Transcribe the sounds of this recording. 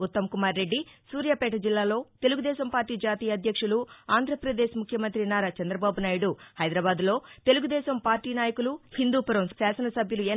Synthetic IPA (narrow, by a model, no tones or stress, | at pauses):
ut̪ːɐmkumaːɾːe̞ɖːisuːɾjɐpɛːʈ̬ɐd͡ʒilːaːlo̞ːt̪e̞luɡud̪ɛːʃɐmpaːɾʈiːd͡ʒaːt̪iːjɐd̪ʱjɐkʂuluaːnd̪ʱɾɐpɾɐd̪eːʃmukʰjɐmɐnt̪ɾinaːɾat͡ʃɐnd̪ɾɐbaːbunaːjuɽuhɐjd̪ɾɐːbaːd̪lo̞ːt̪e̞luɡud̪ɛːʃɐmpaːɾʈiːnaːjɐkuluhind̪uːpɐɾɐmsaːsɐnɐsɐbʱjɐlueː